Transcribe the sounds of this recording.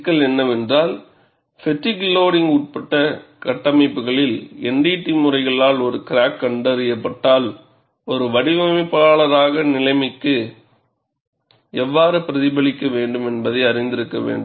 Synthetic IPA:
kːɐɭɛnːɐʋɛndraːl | fɛʈːiɡloːɽɪŋɡʊʈ̚pɐʈːɐkɐʈːɐmɐɪpːɯɣɐɭɪlɛɳɖiːʈːimɯrɐɪɣɐɭaːlɔɾɯkɪɾaːkːɐɳɖɐɾɪjɐpːɐʈːaːl | ɔɾɯʋɐɽɪʋɐmɐɪpːaːɭɐɾaːɣɐnɪlɐɪmɪkːɯ | ɛʋːaːɾɯpɪɾɐðɪbɐɭɪkːɐʋeːɳɖɯmɛnbɐðɐɪɐɾɪnd̪ɪɾɯkːɐʋḛːɳɖɯm

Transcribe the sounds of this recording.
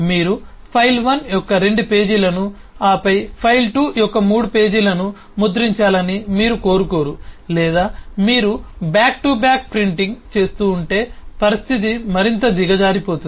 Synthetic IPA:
miːɾu | pʰɐjlʋɐnjɔkːɐɾe̞ɳɖupe̞ːd͡ʒilɐnu | aːpɐjpʰɐjlʈuːjɔkːɐmuːɽupe̞ːd͡ʒilɐnu | mud̪ɾiɲt͡ʃaːlɐnimiːɾuko̞ːɾuko̞ːɾulɛːd̪aːmiːɾubaːk̚ʈubjaːk̚pɾiɳʈiŋɡt͡ʃe̞ːst̪uːɳʈe̞ːpɐɾist̪ʰit̪imɐɾint̪ɐd̪iɡɐd͡ʒaːɾipo̞ːt̪un

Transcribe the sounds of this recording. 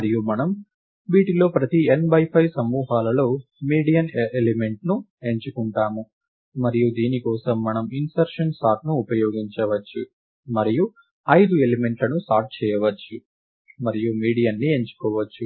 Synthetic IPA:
mɐɾijumɐnɐm | ʋiːʈilo̞ːpɾɐt̪ienbɐjpʰɐjsɐmːuːɦaːlɐlo̞ːmiːɽijɐnelime̞ɳʈnu | e̞ɲt͡ʃukuɳʈaːmu | mɐɾijud̪iːnikɔːsɐmːɐnɐminsɐɾʂɐnsʈaːɾʈ̚nuːpɐjoːɡiɲt͡ʃɐʋɐt͡ʃːu | mɐɾiju | ɐjd̪ue̞lime̞ɳʈlɐnusaːɾʈ̚t͡ʃɛːjɐʋɐt͡ʃːu | mɐɾijumiːɽijɐnːie̞ɲt͡ʃu̥kɔːʋɐt͡ʃːu

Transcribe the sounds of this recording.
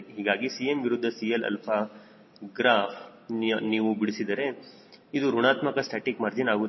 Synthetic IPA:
ɦiːɡaːɡisijemʋiɾud̪ʱːɐsielɐ̰lpʰɐ | ɡɾaːpʰnniːʋubiɽisid̪ɐɾe̞ | id̪uɾuɳaːt̪mɐkɐsʈʰɐːʈikmɐɾd͡ʒinaːɡu

